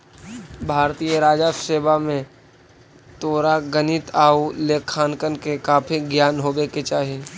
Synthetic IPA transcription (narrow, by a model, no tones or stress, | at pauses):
bʱaːɾt̪ijəɾaːd͡ʒaseːbamẽ | t̪oːɾaɡənɪt̪aːuleːkʰːaːnkənkekaːpʰiɡjaːnɦoːɡeːket͡ʃaːɦie